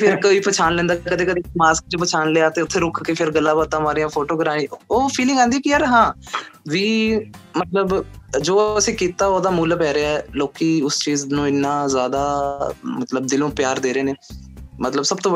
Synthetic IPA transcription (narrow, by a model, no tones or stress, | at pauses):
pʰɪɾkəiːpət͡ʃʰaːnlɛ̃ːnd̪akəd̪eːkəd̪eːmaːsk̚t͡ʃepət͡ʃʰaːnleːaːt̪eːʊt̪ʰːeːɾʊkʰkeːpʰɪɾɡəlːãːbaːt̪ːãːmaːɾijãːpʰoːʈoːɡɾaːɽĩːoːpʰiːlɪ̃ŋɡãːnd̪iːkiəɾɦãːʋiːmət̪ləbd͡ʒoːəsĩːkiːt̪aːoːd̪aːmuːləpɛːɾeaɛloːkiːʊst͡ʃiːznũːɪnːãːzjaːd̪aːmət̪ləb̚d̪ɪlõːpjaːɾd̪eːɾeːneːmət̪ləbsəbt̪õːə